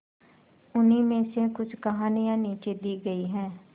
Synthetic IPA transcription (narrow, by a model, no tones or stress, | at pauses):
ʊniːmẽːsẽːkʊt͡ʃkəɦaːnijãːniːt͡ʃeːd̪iːɡəiːɦɛ̃ː